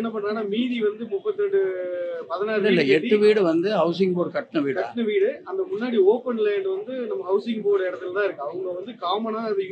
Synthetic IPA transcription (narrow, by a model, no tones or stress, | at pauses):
ɛnːɐp̬ɐɳːɾaːnaːmiːðiʋɐnd̪ɯmʊpːɐt̪ːɛɳɖɯpɐðɪnaːlːɐɛʈɾːɯʋiːɽɯʋɐnd̪ɯɦɐʊs̬ɪŋɡpoːɽkɐʈːnɯʋiːɽkɐʈːnɯʋiːɽɯɐnd̪ɐmʊɳːaːɽioːpɐnɪlɐɳɖɯʋɐnd̪ɯnɐmːɐɦɐʊsɪŋɡpoːɽɛɽɐt̪ːɯlt̪ãːɪɾɯkːɯɐʋɐŋɡɐɐʋɐnd̪ɯkaːmɐnaːɐðɪ